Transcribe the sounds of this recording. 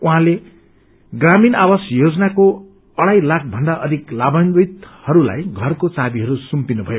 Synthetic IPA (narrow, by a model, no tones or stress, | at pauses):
uɦãle | ɡraminawasjod͡zʌnako | ʌɽajlak̚ʰbʱʌnd̪aʔʌd̪ʱiklabanbit̪hʌɾula̰jɡʱʌrkot͡sabiɦʌɾusumpinubʱʌjo